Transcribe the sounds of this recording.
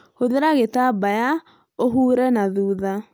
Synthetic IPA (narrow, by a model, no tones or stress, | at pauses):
hoðeɾaɣetabaja | oɦuːɾɛnaðuːða